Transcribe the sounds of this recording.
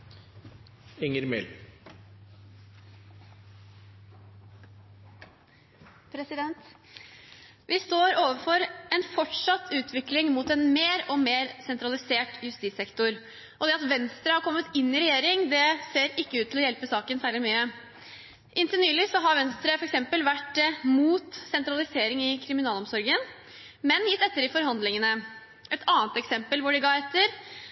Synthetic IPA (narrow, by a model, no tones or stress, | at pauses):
ɛŋəɾmɛ̰l | pʰɾɛsɪd̪ɛnt̪ | ʋɪst̪oːɾoːʋəfɔɾɛnfɔʈʂɑt̪ʰːʉːt̪ʰʋɪklɪŋmuːt̪ɛnmeːɾɔmeːɾsɛnt̪ɾɑlɪseːʈjʉst̪iːt̪sɛkt̪ʊɾ | ʔɔd̪ɛɑt̪ʋɛnst̪ɾəhɑɾkʰɔmːət̪ɪnːɪɾɛjeːɾɪŋd̪ɛseːɾɪkːəʉːt̪ʰːɪlɔjɛlpəsɑːkənsæːɭɪmyːə | ʔɪnt̪ənyːlɪsɔɦɑɾʋɛnst̪ɾəfɔɾɛksɛmpəlʋæʈdɛmuːt̪sɛnt̪ɾɑlɪseːɾɪŋɪkʰɾɪmɪnɑːlɔmsɔɾɡən | mɛnjɪt̪ːɛt̪ːəɾɖɪfɔɾɦɑnd̪lɪŋənə | ʔɛt̪ʰɑːnt̪ɛksɛmpəlʋʊɖɪɡɑːɾɛt̪ʰːəɾ